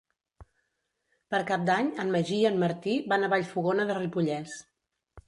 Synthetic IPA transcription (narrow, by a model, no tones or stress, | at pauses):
pəɾkap̚d̪aɲəmməʒiənməɾt̪iβanəβaʎfuɣonəðəripuʎɛs